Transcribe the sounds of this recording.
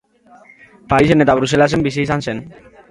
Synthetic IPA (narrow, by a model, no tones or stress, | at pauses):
paɾise̞ne̞t̪aβ̞ɾuse̞lase̞mbisiːsansen